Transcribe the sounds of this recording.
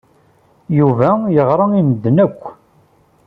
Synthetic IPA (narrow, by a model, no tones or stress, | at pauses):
juvæjəʁɾˤɑind̪ːənækʷː